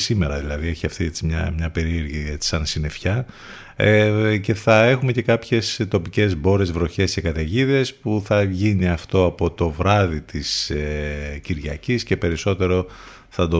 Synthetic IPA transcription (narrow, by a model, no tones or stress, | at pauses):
sime̞ɾɐðilɐðieçiɐft̪iet͡simɲɐ̰mɲɐpe̞ɾieɾʝiet͡si̥sɐnsine̞fçɐ | ce̞θɐe̞xume̞ce̞kɐpçe̞st̪o̞pice̞zbo̞ɾe̞zvɾo̞çe̞sce̞kɐt̪eʝiðe̞spuθɐʝiniɐft̪o̞ɐpo̞t̪o̞vɾɐðit̪iseciɾʝɐcisce̞pe̞ɾiso̞t̪e̞ɾo̞ | θɐd̪o